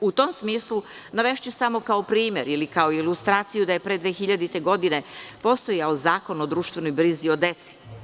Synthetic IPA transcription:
ut̪o̞msmiːslˠunaʋeʃt͡ɕusamo̞kao̞pɾiːmje̞ɾilikaoilust̪ɾaːt̪sijud̪aje̞pɾed̪ʋexiʎad̪it̪e̞ɡo̞d̪ine̞po̞st̪o̞jaozaːko̞no̞d̪ɾuːʃt̪ʋe̞no̞jbɾizio̞d̪e̞t̪si̥

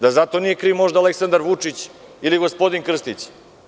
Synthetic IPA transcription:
d̪azat̪o̞nije̞kɾiwmo̞ʒd̪aːleksand̪aɾʋut͡ʂit͡ɕ | iliɡospo̞d̪inkr̩st̪it͡ɕ

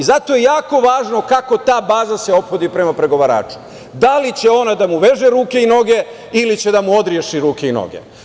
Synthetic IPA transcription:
izat̪o̞je̞jaːko̞ʋaːʒno̞kako̞t̪aːbaːzase̞o̞pxo̞d̪ipɾe̞mapɾe̞ɡo̞ʋaɾa̰ːt͡ʃu̥ | d̪alit͡ɕe̞o̞nad̪amuʋe̞ʒeɾuːke̞ino̞ɡe̞ | ilit͡ɕe̞d̪amuo̞d̪ɾje̞ʃiɾuːke̞ino̰ɡḛ

